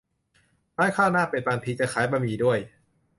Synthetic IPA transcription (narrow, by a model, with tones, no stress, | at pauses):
maː˦˥˩jkʰaː˥˩naː˥˩peː˨˩t̪̚paː˧˩npʰi˧k̚t͡ɕa˧kʰaː˩˦jpa˧miː˨˩du˥˩əj